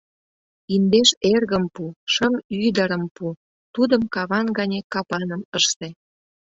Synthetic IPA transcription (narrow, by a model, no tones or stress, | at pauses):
ind̪eʃerɣəmpuʃəmyd̪əɾəmpu | t̪ud̪əmkɑβɑnɡɑnʲekɑpɑnəməʃt̪e